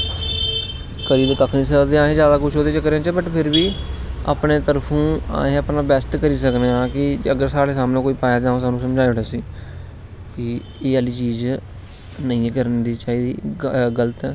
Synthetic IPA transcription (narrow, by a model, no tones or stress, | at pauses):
kəɾiːbkəkʰnĩːsəd̪eːãːɦẽzjaːd̪aːkʊt͡ʃʰɦoːd̪eːt͡ʃəkːəɾẽːt͡ʃəbəʈpʰɪɾbiːa̰ːpneːt̪əɾpʰũːa̰ːẽːəpnaːbɛst̪kəɾiːs̬əkneãːkɪəɡəɾsaːɽeːsaːmnẽːkoːiːpaːjaːd̪eaːõːsaːnũːsəmd͡ʒaːeːɦʊɽeːsiː | kɪ | eːəliːt͡ʃiːz | nəĩːkəɾənd̪iːt͡ʃaːɦiːd̪iːɡələt̪ɛː